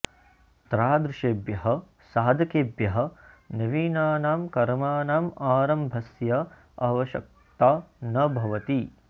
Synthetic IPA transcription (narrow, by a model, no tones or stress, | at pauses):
t̪ɾaːd̪ɾuʃeːbjɐɦɐ̆ | saːd̪ʱɐkeːbjɐɦɐ̆ | nɐʋiːnaːnaːmkɐɾmaːnaːmaːɾɐmbʱɐsjɐ | ɐʋɐʃɐ̰k̚t̪aːnɐbʱɐʋɐt̪i